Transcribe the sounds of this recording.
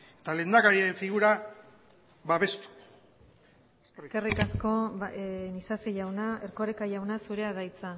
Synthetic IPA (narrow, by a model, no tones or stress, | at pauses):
et̪ale̞nd̪aɣaɾiaɾe̞ɱfiɣuɾa | βaβe̞st̪u̥ | ekarikasko̞ | nisasiʝawnaerkoɾekaʝawnasuɾe̞aðajt͡sa